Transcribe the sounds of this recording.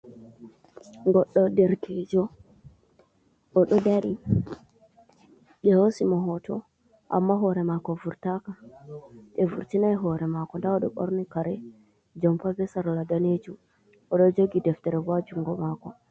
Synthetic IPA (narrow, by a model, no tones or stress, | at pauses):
ŋɡɔɗːɔdɛɾkʰɛd͡ʒɔ | ʔɔɗɔdaɾi | ɡɛhosimɔɦɔtɔ̰ | ʔa̰mːaɦɔɾɛmakɔvuɾtaka | ɗɛvuɾtinajɦɔɾɛmakɔndaɔɗɔɓɔ̰ɾnikaɾɛ | d͡ʒɔmpavɛsaɾɔladaned͡ʒu | ɔɗɔd͡ʒoɡidɛftɛɾɛwad͡ʒuŋɡɔmakɔ